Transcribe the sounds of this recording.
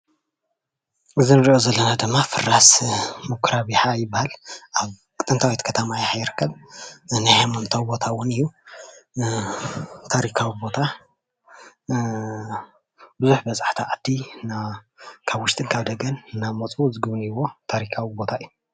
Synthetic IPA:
ʔɨzinɨɾio̞zɐlːɐnad̪ɨmːafɨrːasmɨkʷʰɾaβiħajɪbːahalʔaβ | kʼɨt̪ʼːɨnt̪ʰawit̪kʰɐt̪ʰɐmajħajɪɾɨkʰːɐβnɨhamont̪ʰawibo̞t̪ʰawʊnɨjːu | t̪ʰaɾikʰawibo̞t̪ʰa | bɨzuħbɐt͡sʼaħt̪ʰiʕad̪̥ina | kʰaβwʊʃt̪ʼɨnkʰaβd̪ɐɡɐnːamot͡sʼuzɨɡɨβnɨwo̞t̪ʰaɾikʰawibo̞t̪ʰaɨjːu

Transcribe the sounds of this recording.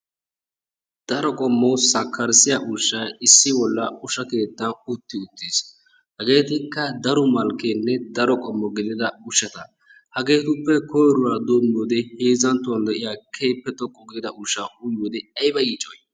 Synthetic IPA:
d̪̥ɐɾɔkʼɔmːɔsɐkʰːɐɾsɪjaʔʊʃːɐɪsːɪbɔlːɐʊʃɐke̞ːt̪ːɐnʊt̪ːɪʊt̪ːis | hɐɡe̞ːt̪ɪkːɐd̪ɐɾʊmɐlkeːnːɛd̪ɐɾɔkʼɔmːɔɡɪd̪ɪd̪ɐʊʃːɐt̪ɐ | hɐɡe̞ːt̪ʊpːɛkɔjɾʊɾaːd̪omjoːd̪ɛheːzɐnt̪ːʊwɐnd̪ɛʔɪjaːkʰeːpːɛt̪ɔkʼːɔɡɪd̪ɪd̪ɐʊʃːaʔʊjoːd̪ɛɐjbɐjiːt͡ʃʼːɔj

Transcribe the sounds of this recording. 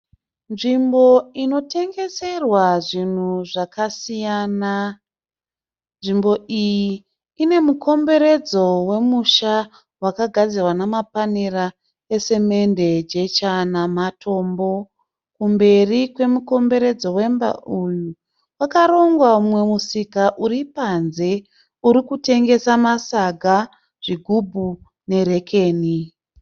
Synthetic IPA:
nʐimbo̞ino̞te̞ŋɡe̞se̞rwaʐin̤uʐakʰasijana | nʐimbo̞ijiː | ne̞muko̞mbe̞ɾe̞d͡zo̞we̞muʃa | wakaɡʱad͡zirwanamapanira | ese̞me̞nde̞d͡ʒe̞t͡ʃanamatʰo̞ːmbo̞ | kumbe̞rikwe̞muko̞mbe̞ɾe̞d͡zo̞we̞mba̰ʔuju | wakaɾo̞ŋɡwaumwe̞musikaʔuɾipanze̞ | uɾikute̞ŋɡe̞samasaɡʱa | ʐ̥iɡʱubʱu | ne̞ɾe̞kʰeːni

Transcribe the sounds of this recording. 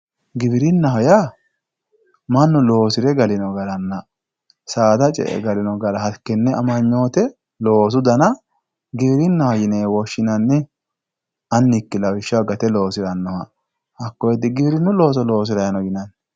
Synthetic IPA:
ɡɪbɪɾɪnːɐɦɔja | mɐnːʊlo̞ːsɪɾɛɡɐlɪnɔɡɐɾɐnːɐ | saːt̪ɐt͡ʃʼɛ̰ʔɛ̰ɡɐlɪnɔɡɐɾɐhɐkːɛnːɛɐmɐɲːo̞ːt̪ɛ | lo̞ːs̬ʊd̪ɐnɐ | ɡɪbɪɾɪnːɐhɔjɪneːwɔʃːɪnɐnːɪ | ɐnːɪkːɪlɐwɪʃːɐwɡɐt̪ɛlo̞ːsɪɾɐnːɔhɐ | hɐkːɔjɛd̪ɪɡɪbɪɾɪnːʊlo̞ːs̬ɔlo̞ːs̬ɪɾɐjɐnɔɡɪnɐn

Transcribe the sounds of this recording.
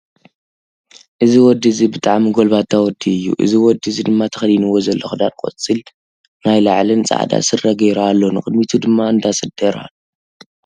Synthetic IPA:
ʔɨziwɔd̪ːizibɨt̪ʼaʕmiɡolbat̪ʰːawɔd̪ːiɨjːṵʔɨ̰ziwɔd̪ːizid̪ɨmːat̪ʰɐ̥xɐljinɨwozɐlːoxɨd̪ankʼo̰t͡sʼil | najlaʕlɨnt͡sʼa̰ʕd̪a̰sɨrɐɡɐjɾalːo̞nɨxʼɨd̪mit̪ʰud̪ɨmːaɨnd̪asɨd̪ɐɾa̰l

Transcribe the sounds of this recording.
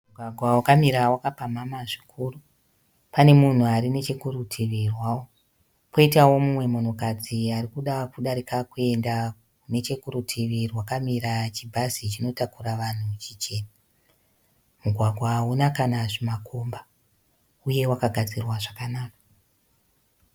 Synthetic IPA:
muɡʱwaɡʱwawakamiɾawakapamamaʐikʰuːru | pane̞mun̤uaɾine̞t͡ʃe̞kurutʰiʋirwaːwo | poitawo̞mumwe̞mo̞no̞kad͡ziarikuɗakuɗaɾikakue̞nda | une̞t͡ʃe̞kurutʰiʋirwakamiɾat͡ʃibʱazit͡ʃino̞takuɾaʋan̤ut͡ʃit͡ʃe̞ːna | muɡʱwaɡʱwaːunakanaʐimakʰo̞mba | uje̞wakaɡʱad͡zirwaʐakanaːka

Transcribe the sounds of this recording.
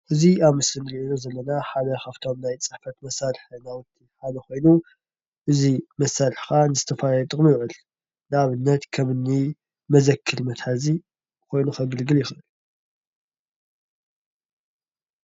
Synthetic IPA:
ʔɨziaβmɨsɨnɨɾiʔinozɐlːɐnaħad̪ɐxaft̪ʰo̞mnajt͡sʼɨħfɐt̪mɐsːaɾħnawɨt̪ʰːiħad̪ɐko̞jnu | ʔɨzimɐsːaɾɨħkʰanɨzɨt̪ʰɐfalajɐt̪ʼɨχʼmijʕɨl | nɨaβɨnːɐt̪kʰɐmɨnːi | mɐzɐkʰːɨɾmɐt̪hazi | kʰo̞jnuxɐβɨlɡɨljɪxɐɨlːu

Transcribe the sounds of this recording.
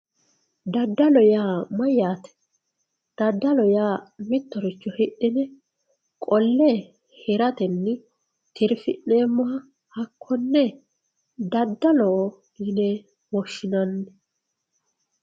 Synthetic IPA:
d̪ɐd̪ːɐlɔjaːmɐjaːt̪ɛ̥ | d̪̥ɐd̪ːɐlɔjaːmɪt̪ːɔɾɪt͡ʃːɔhɪɗːɪnɛ | kʼɔlːeː | hɪɾɐt̪ɛnːɪ | t̪ʰɪɾfɪ̰nːeːmːɔɐ | hɐkʰːɔnːɛ | d̪ɐd̪ːɐlɔ | ɡɪnɛ | mɔʃːɪnɐnːɛ

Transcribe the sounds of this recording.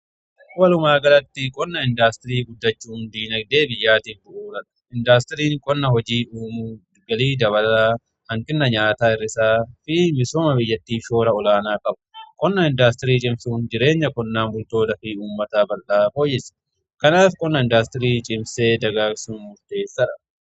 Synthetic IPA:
wɐlʊmaːɡɐlɐt̪ːɪkʼɔnːɐɪnd̪aːst̪ɪɾiːɡʊd̪ːɐt͡ʃːuːnd̪iːnɐɡ̚d̪e̞ːbɪjːaːt̪iːfbʊʔuːɾɐnɐ̥ɪnd̪aːst̪ɪɾiːŋkʼɔnːɐɦɔd͡ʒiːuːm | ɡɐliːd̪ɐβɐla | hɐŋkʼɪnːɐɲaːt̪aːɪrːɪsaːfɪmɪsoːmɐbɪjːɐt̪ːiːʃo̞ːɾɐɔlaːnaːkʼɐbʊ̥kʼɔnːɐɪnd̪aːst̪ɪɾiːt͡ʃʼɪmsuːnd͡ʒɪɾe̞ːɲːɐkʼɔnːaːmbʊlt̪o̞ːd̪ɐfiuːmːɐt̪aːbɐlʔaːko̞ːjːɪsɐ̥ | kɐnaːfkʼɔnːɐɪnd̪aːst̪ɪɾiːt͡ʃʼɪmseːd̪ɐɡaːksuːmʊlt̪e̞ːsːɐɾɐ

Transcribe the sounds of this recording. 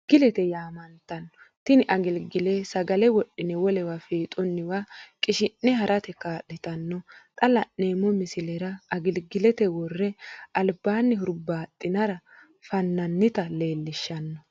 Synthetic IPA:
ɡ̥ɪlɛt̪ɛjaːmɐnt̪ɐnːɔ | t̪ɪnɪʔɐɡɪlɡɪleːsɐɡɐlɛwɔɗːɪnɛwɔlɛwafiːt̪ʼɔnːɪwakʼɪʃɪnːɛhɐɾʔɐt̪ɛkaːɗɪt̪ɐnːɔt̪ʼɐlɐnneːmːɔmɪsɪlɛɾɐɐɡɪlɡɪlɛt̪ɛwɔrːɛɐlbaːnːɪɦʊɾbaːt̪ʼːɪnɐɾɐ | fɐnːɐnːɪt̪ɐle̞ːlːɪʃːɐnːɔ

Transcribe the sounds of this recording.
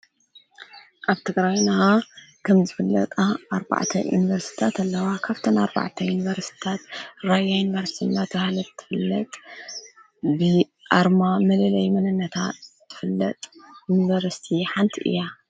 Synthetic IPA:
ʔaβt̪ʰɨɡɾajnaa | kʰɐmzɨfɨlːɐ̰t̪ʼaʔːɾba̰ʕt̪ʰɐ̰jṵnivɐɾsi̥t̪ʰat̪ʰɐlːɐwakʰaβt̪ʰɐnaɾba̰ʕt̪ʰɐjunivɐɾsʰi̥t̪ʰat̪ɾajajunivɐɾst̪ʰinːat̪ʰɐhalɐt̪t̪ʰːɨ̥fɨlːɐt̪ʼ | bɨ | ʔaɾmamɐlɐlɐjmɐnɐnːɐt̪ʰa̰tz̥ɨfɨlːɐt̪ʼjunivɐɾst̪ʰiħant̪ʰiʔɨ̰jːa

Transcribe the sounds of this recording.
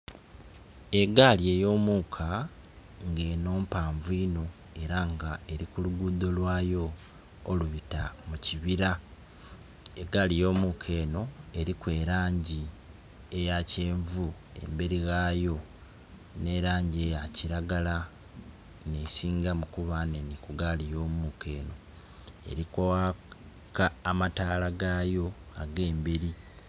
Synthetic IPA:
e̞ɡaːlie̞jo̞ːmuːkʰa | ŋɡe̞ːno̞ːmpaːɱvuiːno̞ | e̞ɾaŋɡae̞ɾikuluɡuːd̪o̞lwaːjo̞ː | luβitamuciβiɾa | eɡaːlijo̞ːmuːkʰe̞ːno̞e̞ɾikwe̞ːɾaːɲɟi | e̞jace̞ːɱvue̞̰mbeɾiɣaːjo̞ | ne̞ɾaːɲɟiejaciɾaɡala | nesiːŋɡamukuβanenikuɡalijo̞ːmukʰe̞ːno̞ | e̞̰ɾikowa | kaːmataːlaɡaːjo̞aɡe̞ːmbe̞ɾi

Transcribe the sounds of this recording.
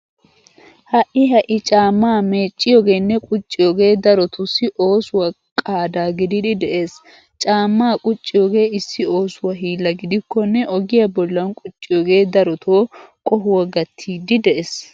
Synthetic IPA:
hɐʔɪɦɐʔɪt͡ʃʼaːmːaːmeːt͡ʃʼːɪjoɡe̞ːnːɛkʼʊt͡ʃʼːɪjoːɡe̞ːd̪ɐɾɔt̪ʊsɪʔo̞ːsʊwɐ | kʼaːd̪aːɡɪd̪ɪd̪ɪd̪ɛʔe̞ːs | t͡ʃʼaːmːaːkʼʊt͡ʃʼːɪjoːɡe̞ːɪsːɪo̞ːsʊwɐɦiːlːɐɡɪd̪ɪkːɔnːɛʔɔɡɪjɐbɔlːɐnkʼʊt͡ʃʼːɪjoːɡe̞ːd̪ɐɾɔt̪ʰoːkʼɔɦʊwɐɡɐt̪ʰːiːd̪ɪd̪ɛʔes

